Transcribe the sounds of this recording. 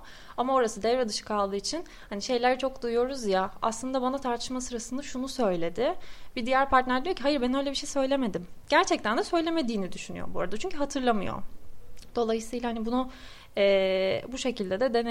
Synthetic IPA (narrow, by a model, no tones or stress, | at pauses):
amao̞ɾasɯd̪ɛvɾad̪ɯʃɯ̥kʰalˠd̪ɯːit͡ʃʰin | haniʃe̞jlʲæɾt͡ʃʰo̞k̚d̪ujjo̞ɾuzjaa̰slˠɯnd̪abanat̪ʰaɾt̪ʰɯ̥ʃmasɯɾasɯnd̪aʃunusø̞jlʲe̞d̪ɪbid̪ijæɾpʰaɾt̪næɾd̪ijocʰiɦajɯɾbɛnølʲebiʃejsø̞jlʲe̞me̞d̪imɟ̥æɾt͡ʃʰɛc̚t̪ʰænd̪ɛsø̞jlʲe̞me̞d̪iːnid̪yʃyny̰jo̰bṵɾad̪at͡ʃʰyɲcʰyɦat̪ʰɯɾlˠamɯ̰jo̞̰d̪̥o̞lˠajɯsɯjlˠahanibunu | ɛːbuʃe̞cʰilʲd̪ed̪ɛd̪en